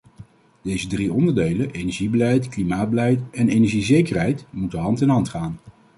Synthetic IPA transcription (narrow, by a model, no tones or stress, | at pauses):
d̥ejzədriɔndəɹdejlənejnɛɹʒibəlɛjtklimaːd̚bəlɛjtɛnejnɛəɹʒizejkərɦɛjtmutənɦɑntɛnɦɑntχaːn